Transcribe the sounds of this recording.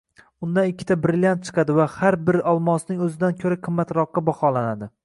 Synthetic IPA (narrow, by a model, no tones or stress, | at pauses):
ʊnd̪anɪkʲʰːɪ̥t̪ʰabɾɪlʲjant̪̚t͡ʃʰɨ̥qɑd̪ɪvahaɾbɪɾɒlˠmɒsnɪŋɵzɪd̪ankʲʰɵɾaqʰɨmːat̪ɾɒqːɑbɒχɒlanad̪ɪ